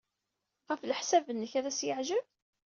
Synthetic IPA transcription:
ʁəfləħsævənːəçæðæsjəʕʒəv

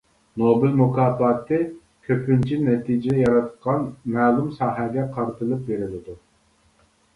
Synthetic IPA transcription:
nobɪlmukʰɑːpɑːt̪ʰɨ | kʲʰøpʰynt͡ʃʰinɛt̪ʰid͡ʒɪd̪ɛjɑɾɑt̪qʰɑnmæːlˠumsɑːɦɛɡʲɛqʰɑɾt̪ʰɨlˠɨp̚beɾɪlɪd̪u

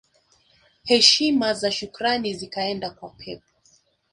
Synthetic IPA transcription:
hɛʃimazaʃukɾanizikaɛndakwapʰɛp̚ɔ̥

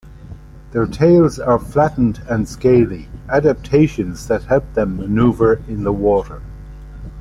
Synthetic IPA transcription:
ðə˞tʰeɪlˠzə˞flæʔn̩tə̃nskeɪliædæp̚tʰeɪʃə̃nzðət̚hɛlˠp̚ðə̃mːənuːvə˞ɪ̃nðəwɔɾə˞

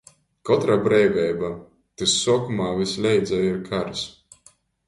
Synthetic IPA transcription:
kɔt̪ɾaːbɾɛjvʲɛjba | t̪ɨsːuɔkumaːvʲislʲɛjd̪zɛjiɾkʰaɾs

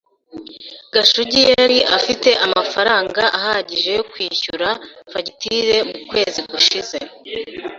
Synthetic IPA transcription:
ɡaʃuɟijaɾiʔafite̞ʔamafaɾaːŋɡaʔahaɟiʒe̞jokwiːçuɾafaɟitiɾe̞mukwe̞ːziɡuʃize̞̰

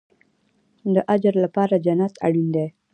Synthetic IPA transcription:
d̪əʔad͡ʒɾlapɑɾad͡ʒanat̪a̰ɽind̪e

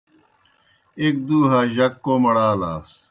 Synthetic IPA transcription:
ek̚d̪uːɦaːʑɐkːoːmɐɽaːlaːs

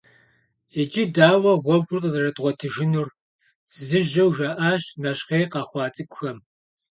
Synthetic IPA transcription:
ed͡ʒidaːwɐʁʷɔb̚ɡʷʊrqəzɐrɐtʼʁʷɔtʰɨʒɪnur | zɨʒɐwʒaːʔaːɕnɐɕqeːqɑːχʷɑːt͡sʼɨkʷʊxɐm

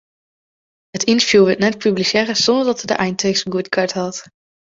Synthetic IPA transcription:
ɦətɪntəɹvjuːʋɪtnɛt̚pyblisɛːrəsɔndəɹdɑtədə̰ʔɛjntʰøsɡutkɑɹtɦɑt

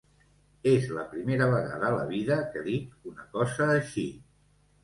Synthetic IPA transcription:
ezləpɾimeɾəβ̞əɣa̰ðəːlə̰βiðəkəðik̚unəkɔzəːʃi

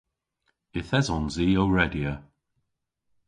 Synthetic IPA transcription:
ɪθɛzɔnziːowɹɛdiə

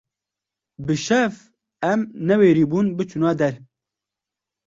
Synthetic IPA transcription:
bɨʃɛf | ɛmnɛweːɾiːbuːnbɨt͡ʃʰunɑːd̪ɛɾ

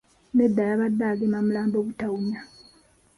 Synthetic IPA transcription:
nedːajaβadːaɡemamulaːmboːβutawuɲa

